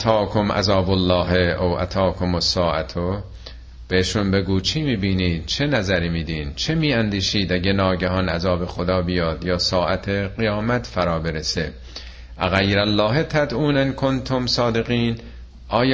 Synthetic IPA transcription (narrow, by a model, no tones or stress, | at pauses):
t̪ʰɑːkʰomʔæ̰zɒːbolːɒːɦeowʔæ̰t̪ʰɒːkʰomosːɒːʔæt̪ʰo | b̥eheʃunbe̞ɡuːt͡ʃʰimiːbiːniːd̪̥̚t͡ʃʰe̞næzæɾiːmiːd̪iːnt͡ʃʰemiːænd̪iːʃiːd̪æɟenɒːɟæɦɒnæzɒːbe̞xod̪ɒːbijɒːd̪jɒːsɒːʔæt̪ʰeɣijɒːmæt̪ʰfæɾɒːbeɾesḛ | ʔæɣæjɾælːɒːɦet̪ʰæd̪ʔuːnænkʰont̪ʰomsɒːd̪eɣiːn | ʔɒːj